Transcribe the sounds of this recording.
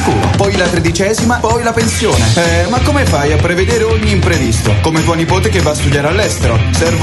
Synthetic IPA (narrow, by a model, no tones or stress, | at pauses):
kuːno̰pɔjlat̪ɾed̪it͡ʃɛːzimapɔjlapensjoːnemakːomefajapːɾeved̪eːɾeoɲːiːmpɾevist̪o̰komevɔnipoːt̪ekevːast̪ud̪jaːɾealːɛst̪eɾosɛrv